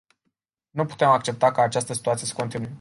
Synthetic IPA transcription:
nupu̥t̪e̞mak̚t͡ʃe̞p̚t̪akaːt͡ʃast̪əsit̪uat̪sijesə̥ko̞nt̪inuje

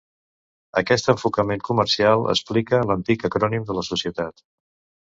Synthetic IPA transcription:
əkɛst̪əɱfukəmeŋkuməɾsialˠə̰splikələnt̪ikəkɾɔnimd̪ələsusiət̪at̪

